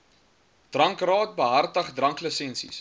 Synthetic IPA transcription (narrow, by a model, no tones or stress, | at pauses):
d̥rɐŋkrɑːt̚bəɦɐrtəχdrɐŋkləsɛnsḭs